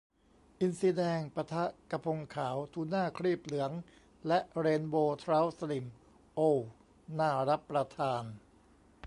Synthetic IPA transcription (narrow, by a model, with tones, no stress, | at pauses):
ʔi˧nsiː˧dɛː˧ŋpa˧t̪ʰa˦˥ʔka˧pʰo˧ŋkʰaː˩˦wt̪ʰuː˧naː˥˩kʰɾiː˥˩p̚lɯ˩˦əŋ | lɛ˦˥ʔɾeː˧nboː˧t̪ʰɾaː˦˥wsa˧li˨˩m | ʔoː˧w | naː˥˩ɾa˦˥pːɾa˧t̪ʰaː˧n